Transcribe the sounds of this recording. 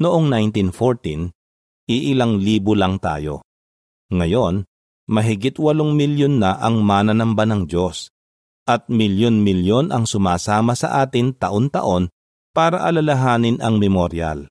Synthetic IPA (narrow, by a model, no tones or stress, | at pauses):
nʊʔo̞ŋnajnt̪infoɹt̪in | ʔɪʔɪlaŋliːbʊlɐŋt̪a̰ːjo̞̰ | ŋɐjo̞n | mɐɦɪɡɪt̪wɐloŋmɪljonːɐʔɐŋmaːnɐnɐmbɐnɐŋd͡ʒo̞s | ʔɐt̪̚mɪljonmɪljo̞nʔɐŋsʊmaːsaːmɐsɐʔaːt̪ɪŋt̪ɐʔont̪ɐ̰ʔo̞n | paːɾɐʔɐlɐlɐɦaːnɪnɐŋmɛmoɾja̰l